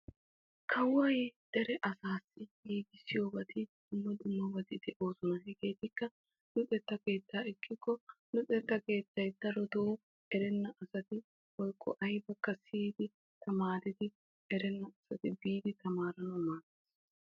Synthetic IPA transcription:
kʰɐwɔjd̪̥ɛɾɛʔɐsaːsːɪhiːɡɪsːɪjoːbɐt̪ɪd̪̥ʊmːɔd̪ʊmːɔbɐt̪ɪd̪ɛʔo̞ːsɔnɐhɪɡe̞ːt̪ɪkːɐ | nʊt͡sʼɛt̪ːɐke̞ːt̪ːaːɪkːɪkːɔnʊt͡sʼɛt̪ːɐke̞ːt̪ːɐjd̪ɐɾɔd̪oː | ɛɾɛnːɐʔɐsɐt̪ɪ | wɔjkːɔ̰ʔɐjbɐkːɐsiːd̪ɪ | t̪ɐmaːɾɪd̪ɪ | ɛɾɛnːɐɐsɐt̪ɪbiːd̪ɪt̪ɐmaːɾɐnɐmaːt̪eːs

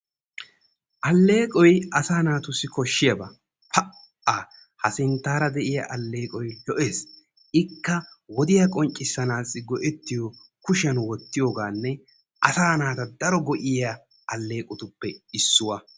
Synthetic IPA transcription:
ʔɐlːe̞ːkʼɔjɐsaːnaːt̪ʊsːɪkɔʃːɪjɐbɐ | pʰɐ | aː | hɐsɪnt̪ːaːɾɐd̪ɛʔɪjɐʔɐlːe̞ːkʼɔjlɔʔeːs | ɪkːɐwɔd̪ɪjɐkʼɔnt͡ʃʼːɪsːɐnaːsɪɡɔʔɛt̪ːɪjɔ | kʊʃɐnwɔt̪ːɪjoːɡaːnːɛ | ʔɐsaːnaːt̪ɐd̪ɐɾɔɡɔʔɪja | ʔɐlːe̞ːkʼʊt̪ʊpːɛɪsːʊwɐ

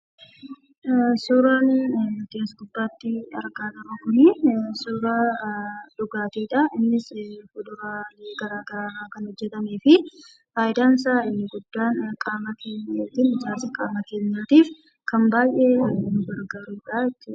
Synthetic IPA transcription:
suːɾaːnkeːsɡʊb̪ːaːt̪ːɪɐ̰ɾɡaːd̪ɐɾoːkʊnɪsoːɾaːᶑʊɡaːt̪iːᶑɐʔɪnːɪsfʊᶑʊɾaːleːɡɐɾaːɡɐɾaːɾaːkɐnhɔd͡ʒːɛt̪ɐmeːfɪ | faːjɪd̪aːns̬aːɪnːɪɡʊd̪ːaːnkʼaːmɐkeːɲːaːt̪ɪːnɪd͡ʒaːsɐkʼaːmɐke̞ːɲːaːt̪iːf | kɐmbaːjʔeːnʊɡɐɾɡɐɾuːᶑaːɛt͡ʃːʊɐ̥

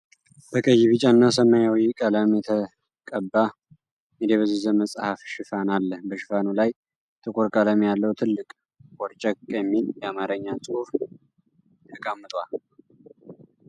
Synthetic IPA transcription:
b̥əkʼəjːɪβɨt͡ʃʼanːasəmajawikʼələmjɛt̪ʰə | kʼəbːa | med̪eβəzɨzəməsʼhafʃɪfanalːəhbəʃɪfanulaj | t̪ʰɨkʼʰoɾkʼaləmjalːəwt̪ʰɨlːɨkʼ | kʼɔɾt͡ʃʼəkʼːjɛmːiljɛamaɾəɲːasʼhuf | t̪ʰəkʼəmːɨt̪ʼwal

